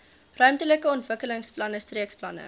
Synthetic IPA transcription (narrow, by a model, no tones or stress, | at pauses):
rœɥmtələkəɔntvəkələŋsplɐnəstriəksplɐnə̰